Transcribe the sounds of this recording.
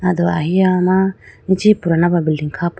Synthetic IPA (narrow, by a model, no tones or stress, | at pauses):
ad̪ɔaɦiamanit͡ʃipuɾanababilɖiŋkʰap